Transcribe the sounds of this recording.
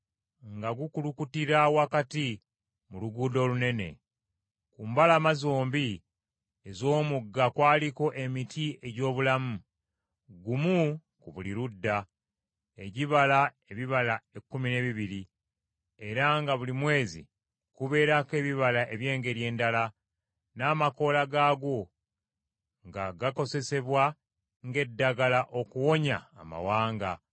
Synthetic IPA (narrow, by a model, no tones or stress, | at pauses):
ŋɡaɡukulukutiɾawakati | muluɡuːdo̞ːlune̞ne̞̰ | kumbalamazoːmbi | ezo̞ːmuɡːakwaːliko̞ʔe̞mitʰiʔe̞ɟo̞ːβulamu | ɡumu | kuβuliɾudːa | e̞ɟiβala | e̞βiβalaekːumine̞βiβiɾi | e̞ɾaŋɡaβulimwe̞ːzḭ | kuβe̞ːɾake̞ːβiβalaʔe̞βje̞ːŋɡe̞ɾje̞ːndala | naːmako̞laɡaːɡo̞ | ŋɡaɡako̞ze̞se̞βwa | ŋɡe̞dːaɡalaʔo̞kuwo̞ɲa̰ːma̰waːŋɡa